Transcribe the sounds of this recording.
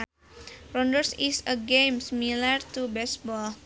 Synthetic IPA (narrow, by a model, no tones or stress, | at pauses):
rɔndərsisəɡẽmsimilart̪ubɛsbɔl